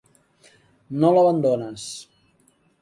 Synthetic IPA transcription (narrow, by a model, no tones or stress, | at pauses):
noləβənd̪onəs